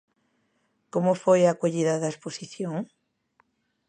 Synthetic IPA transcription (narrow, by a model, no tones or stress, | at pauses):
komʊfojakoʎiðɐðɐesposiθjoŋ